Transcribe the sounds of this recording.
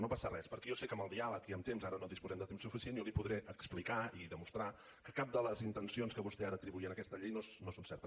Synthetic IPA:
nopasərɛspəɾkɛjɔsekəməlˠd̪ialəkiəmt̪emzaɾənoðispuzɛmd̪ət̪emsufisienjolipuðɾeʔəksplikaiðəmust̪ɾa | kəkap̚d̪ələzint̪ənsionskəβust̪ɛaɾəːt̪ɾiβuiənəkɛst̪əʎejnosnosonsɛɾt̪əs

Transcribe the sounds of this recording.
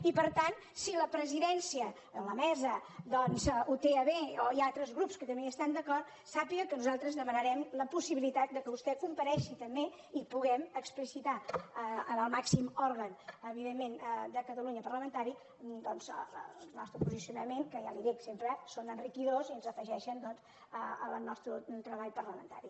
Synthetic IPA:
ipəɾt̪an | siləpɾəziðɛnsiə | ələmɛzəd̪ɔnzut̪eəβeoiat̪ɾəzɣɾupskət̪əmbeəst̪and̪əkɔrt̪ | sapiɣəkənuzalˠt̪ɾəzðəmənəɾɛmləpusiβilit̪at̪̚d̪əkəβust̪ɛkumpəɾɛʃit̪əmbe | ipuɣɛməksplisit̪a | ənəlˠmaksimɔɾɣənəβiðemːend̪əkət̪əluɲəpəɾləmənt̪aɾi | d̪ɔnzə̰nɔst̪ɾupuzisiunəmeŋkəjaliðɛksempɾəsonənrikiðɾoziənzəfəʒɛʃənd̪ɔnz | əənɔst̪ɾut̪ɾəβaʎpəɾləmə̰nt̪a̰ɾi

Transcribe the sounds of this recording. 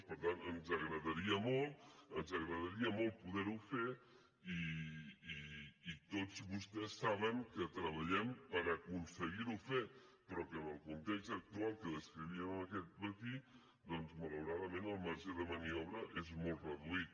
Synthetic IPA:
pəɾt̪anənzəɣɾəðəɾiəmolˠt̪ənzəɣɾəðəɾiəmolˠt̪̚puðɛɾufe | i | iːt̪ot͡sd͡zβust̪ɛsːaβəŋkət̪ɾəβ̞əʎɛmpəɾəkunsəɣiɾufepɾɔkəməlˠkunt̪ekst̪ək̚t̪ualˠkəðəskɾiβiəməməkɛt̪̚mət̪i | d̪ɔnzmələwɾaðəmenəlˠmaɾʒəðəməniɔβɾəʔezmɔlˠt̪rəðuit̪

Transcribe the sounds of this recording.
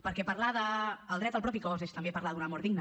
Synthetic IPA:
pəɾkɛpəɾlaðəːlˠd̪ɾɛt̪əlˠpɾɔpikɔzeʃt̪əmbepəɾlaðunəmɔɾðiɡnə

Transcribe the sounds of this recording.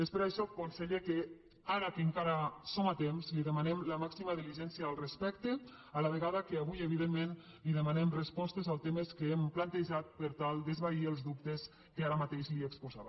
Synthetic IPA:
d̪espeɾaʃɔkonseʎeke | aɾakeŋkaɾasomat̪emzliðəmanɛmləmaksimaðiliʒɛnsiaːlˠrespɛkt̪e | alaβ̞eɣaðakeaβujeβiðemːẽn | liðəmanɛmrespɔst̪ezalˠt̪emeskeemplant̪eʒat̪̚pəɾt̪alˠd̪ezβaiəlˠzðup̚t̪es | kəaɾamat̪eʃliekspuza̰βa

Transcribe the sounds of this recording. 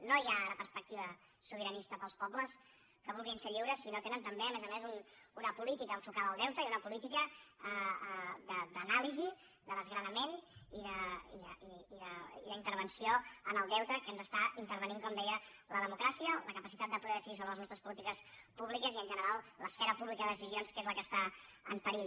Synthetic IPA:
nojaɾəpəɾspək̚t̪iβə | suβ̞əɾənist̪əpəlˠspɔpləs | kəβulˠɣinseʎiwɾəsinot̪enənt̪əmbeəmezəmezununəpulit̪ikəːɱfukaðəːlˠd̪ɛwt̪əiunəpulit̪ikə | d̪əd̪ənalizi | d̪əðəzɣɾəðəmeniðəiðəiiðəiləint̪əɾβ̞ənsioənəlˠd̪ɛwt̪əkənzəst̪aʔint̪əɾβəniŋkɔmd̪ɛjələðəmukɾasiələkəpəsit̪at̪̚d̪əpuðɛðəsəɣis̬oβələznɔst̪ɾəspulit̪ikəspuβlikəziənʲʒənəɾalˠləsfɛɾəpuβlikəðəəs̬izionskezləkəst̪a | ə̰mpəɾi

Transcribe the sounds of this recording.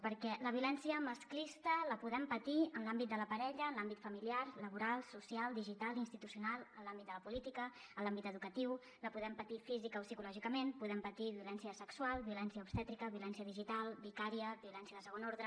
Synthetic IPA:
pəɾkɛləβiulɛnsiəməsklist̪ələpuðɛmpət̪iənlambit̪̚d̪ələpəɾɛʎəːnlambit̪fəmiliaɾləβuɾalˠsusialˠd̪iʒit̪alˠinst̪it̪usiunalˠənlambit̪̚d̪ələpulit̪ikə | əlambit̪əðukət̪iw | ləpuðɛmpət̪ifizikəosikulɔʒikəmenpuðɛmpət̪iβiulɛnsiəsəkswalˠβiulɛnsjəupst̪ɛt̪ɾikəβiulɛnsiəðiʒit̪alˠbikaɾiəbiulɛnsjəðəsəɣonoɾðɾə

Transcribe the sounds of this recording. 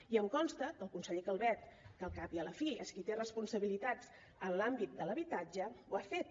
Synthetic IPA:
iəŋkɔnst̪əkəlˠkunsəʎekəlˠβɛt̪kəlˠkapiələfiəskit̪erəspunsəβilit̪ad͡z | ənlambit̪̚d̪ələβit̪ad͡ʒəwafet̪̚

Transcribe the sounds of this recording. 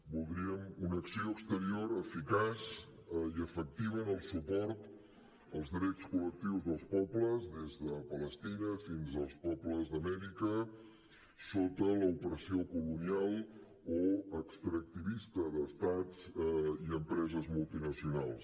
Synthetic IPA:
bulˠd̪ɾiəmunəksioəkst̪əɾioɾəfikas | iəfək̚t̪iβənəlˠsupɔɾt̪ | əlˠzðɾɛt͡skulək̚t̪iwzðəlˠspɔpləzðezðəpələst̪inəfinzəlˠspɔpləzðəmɛɾikə | sot̪ələupəɾəsiokulunialˠ | oəkst̪ɾək̚t̪iβist̪əðəst̪ad͡ziəmpɾɛzəzmulˠt̪inəsiunalˠs

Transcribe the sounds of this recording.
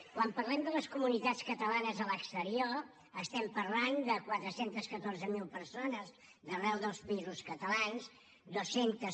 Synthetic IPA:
kwampərlɛmd̪ələskumunit̪at͡sskət̪əlanəzələkst̪əɾio | əst̪ɛmpərland̪əkwat̪ɾəsent̪əskət̪orzəmilˠpəɾsonəz | d̪ərɛwðəlˠspəizuskət̪əlans | d̪osent̪ə

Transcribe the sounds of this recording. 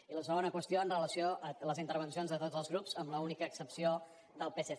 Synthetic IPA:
iləsəɣonəkwəst̪ioənrələsioʔələzint̪əɾβ̞ənsijonzðət̪odzəlˠzɣɾupzəmləunikəːksəpsio | d̪əlˠpese

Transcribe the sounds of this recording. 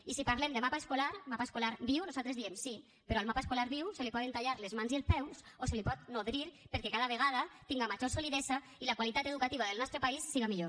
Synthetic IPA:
isipaɾlemd̪emapaeskolaɾmapaeskolaɾbiwnozalt̪ɾezðiemsi | peɾoalmapaeskolaɾβiwselipɔt̪ent̪aʎaɾlezmanzielspɛws | oselipɔt̪noðɾiɾpeɾkekaðaβ̞eɣaðat̪iŋɡamad͡ʒosoliðeza | ilakwalit̪at̪eðukat̪iβaðelnɔst̪ɾepaisːiɣamiʎo

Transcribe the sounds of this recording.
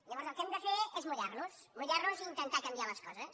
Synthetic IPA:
ʎəβɔɾzəlˠkɛmd̪əfeɾezmuʎaɾnus | muʎaɾnuziint̪ənt̪akəmbialəskɔzəs

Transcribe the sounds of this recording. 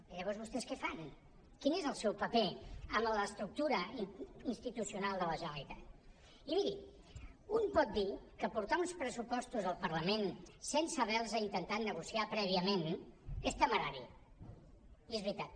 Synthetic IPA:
əiʎəβɔɾzβust̪ɛskɛfan | kinezəlˠsɛwpəpeəmləːst̪ɾuk̚t̪uɾəiinst̪it̪usiunalˠd̪ələʒənəlit̪at̪ | imiɾi | umpɔt̪̚d̪ikəpuɾt̪aunspɾəsupɔst̪uzəlˠpəɾləmensensəβɛlˠzəint̪ənt̪at̪nəɣusiapɾɛβ̞iəmenɛst̪əməɾaɾi | iezβɾit̪at̪

